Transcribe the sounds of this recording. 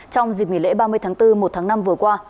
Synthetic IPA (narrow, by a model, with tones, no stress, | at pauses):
t͡ɕɔ˧wŋ͡mzi˨˩k̚ŋi˧˩lḛ˧˥ɓaː˧mɨ˧əjt̪ʰaː˨˦ŋt̪ɨ˧mo˨˩t̚t̪ʰaː˨˦ŋna˧mvɨ˨˩əkwaː˧